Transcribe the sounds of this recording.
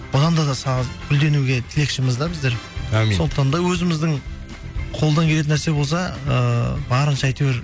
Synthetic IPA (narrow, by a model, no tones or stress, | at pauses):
b̥ʊʁɑnd̪ɑd̪ɑsɑʁzbʏld̪e̞nuɡʲe̞t̪ʰɪle̞kʃɪmɪzd̪ɑbɪzd̪e̞ɾæso̞nd̪əq̚t̪ɑnd̪ɑwɵzɪmɪzd̪ɪŋ | qʰo̞lˠd̪ɑŋkʲele̞t̪̬ɪnæɾse̞bo̞lˠs̬ɑə̰bɑɾənʃɑɑjt̪eweɾ